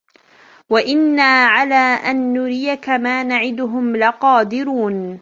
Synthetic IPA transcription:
waʔɪnːaːʕalaːʔanːʊɾɪːakamaːnaʕɪd̪ʊɦʊmlɪqɑːd̪ɪɾuːn

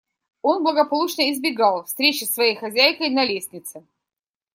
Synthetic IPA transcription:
o̞nblˠəɡəpɐlˠut͡ɕnəɪzbʲɪɡɑlˠfst̪ɾʲet͡ɕɪsvɐjejxɐzʲæjkəjnɐlʲesʲnʲɪt̪sɨ

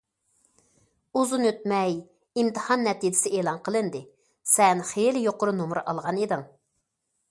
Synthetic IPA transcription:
uzunøt̪mɛj | imt̪ɨhɑnːɛt̪id͡ʒɪ̥sɪʔeːlˠɑnqʰəlˠɨnd̪ɪ | sɛnχelɪjoqʊɾunumɾɨʔɑ̰lˠʁɑned̪ɨŋ

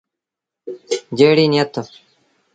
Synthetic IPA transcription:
d͡ʑeːɽiːnijɐt̪ːo

